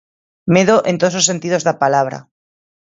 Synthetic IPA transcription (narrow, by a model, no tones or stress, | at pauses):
meðoʔẽ̞nt̪oðslose̞nt̪iðo̞zðapalaβ̞ɾa̰